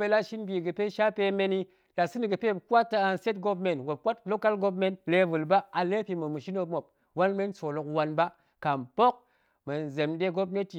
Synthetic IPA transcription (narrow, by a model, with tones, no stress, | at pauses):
be˦la˦ʃi˦nbi˨ɡɨ˨pe˦ʃa˦pe˧˦me˦ni˦ | la˨sɨ˦ni˨ɡɨ˨pe˦˨ka˦tːa˦a˧nse˦tɡo˦bme˨nwo˨p̚kʷa˦tlo˦ka˦lɡo˦p̬me˦nle˨vɨ˨lba˦a˨le˦pi˨mo˨mu˨ʃi˦no˦mo˨p̚ | wa˦nme˦nso˨lo˨kwa˦nba˦ | ka˨mpo˦k̚ | me˨n˨ze˨mde˦ɡo˦p̬ne˦ti˨